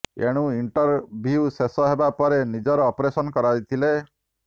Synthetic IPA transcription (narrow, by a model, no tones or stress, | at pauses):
ḛɽ̃ũiɳʈɔɾbʱiusesɔɦebapɔɾenid͡ʒɔɾɔːpɾesɔnɔkɔɾajt̪ʰile